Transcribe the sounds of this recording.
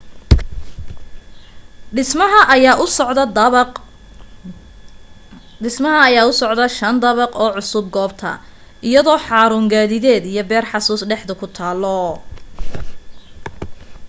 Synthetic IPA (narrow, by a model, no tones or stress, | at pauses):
ɪɐɦɐʔːʔ | ɪsmɐɦɐːjaːʊsɔʕd̪ɐʃɐnd̪ɐβɐqɔːʕʊsʊb̚ɡɔːbt̪ʰɐ̰ | ʔijɐðɔːħɑːɾʊːŋɡaːðɪðɛːd̪ijɔbɛːrħɑsuːsɖɛħd̪ɐkʰʊt̪ʰaːlɔ